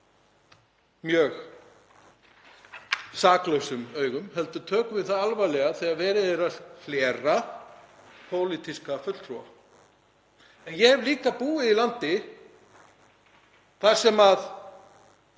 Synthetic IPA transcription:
mjœːx | saːklœwsʏmœːɥɣʏmhɛl̪t̪ʏt̪ʰœːkʏvɪðθaðalvajlɛɣaθɛaðvɛːɾɪðɛɾafljɛːɾa | pʰoːwlit̪iskafʏt̪l̥t̪ʰɾua̰ | ɛnjɛhɛvliːkapuːɪðilant̪ɪ | θḁsɛmað

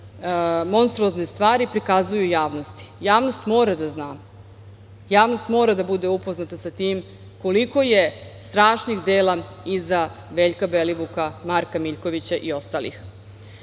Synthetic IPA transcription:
mo̞nst̪ɾuoznest̪ʋaːɾipɾikazujujaːʋno̞st̪i̥jaːʋno̞st̪mo̞ːɾad̪aznaː | jaːʋno̞st̪mo̞ːɾad̪abud̪eupoznat̪asat̪iːm | ko̞liko̞je̞st̪ɾaːʃnixd̪eːla | iza | ʋe̞ːʎkabeliʋukamaɾkamiʎko̞ʋit͡ɕaʔio̞st̪alḭx

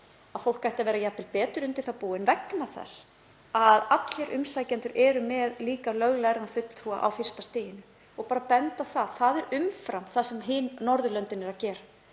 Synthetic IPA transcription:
aðfowl̥kːajht̪avɛːɾajapːɪlpɛːt̪ʏɾʏmt̪ɪlθapuːɪnvɛknaθɛ̰s | aðat̪lɛɾʔʏmsaːjcɛnt̪ʏɾʔɛːɾʏmɛðliːkalœɣlɛɣɾanfʏt̪lfua̰ʔa̰wfɪr̥st̪ast̪ɪːjɪnʏ | ɔɣpaːɾapɛnt̪aθaðθaðɛɾʏmfɾamθasɛmɦɪːnːɔɾðʏlœnt̪ɪnɪɾacɛːɾa

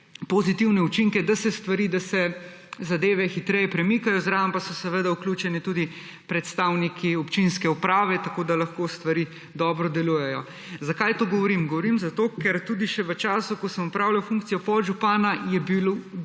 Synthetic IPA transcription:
pozit̪iwnɛut͡ʃiŋkɛd̪asɛst̪ʋaɾiːd̪asɛ | zad̪eːʋɛxit̪ɾɛjɛpɾɛmikajɔzɾaːʋɐmpasɔsɛʋəd̪auklʲuːt͡ʃɛnit̪ud̪i | pɾɛt̪st̪awnikʰiɔpt͡ʃinskɛupɾaːʋɛt̪akod̪alɐxkost̪ʋaɾiː | d̪ɔːbɾɔd̪ɛluːjɛjɔ | zakajt̪oːɡɔʋɔɾimɡɔʋɔɾimzat̪oːkɛɾt̪uːd̪iʃɛʋət͡ʃaːsukɔsəmɔpɾawlawfuŋkt̪sijɔpɔʒupaːnajɛbil

